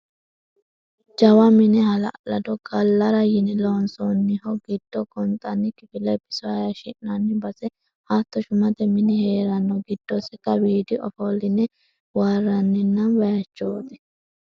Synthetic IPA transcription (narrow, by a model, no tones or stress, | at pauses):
d͡ʒɐwɐmɪnɛhɐlɐ̰ʔlɐd̪ɔɡɐlːɐɾɐjɪnɛloːnsonːɪhɔɡɪd̪̥ːɔkʼɔnt̪ʼɐnːɪkɪfɪlɛbɪ̥sɔɐjɐʃɪʔnɐnːɪbɐsɛ | hat̪ːɔʃʊmɐt̪ɛmɪnɪhe̞ːɾɐnːɔɡɪd̪̥ːɔsɛkːɐbiːd̪ɪʔɔ̰fɔlːɪnɛ | waːrːɐnːɪnːɐnwɐjɐt͡ʃːoːt̪ɛ̥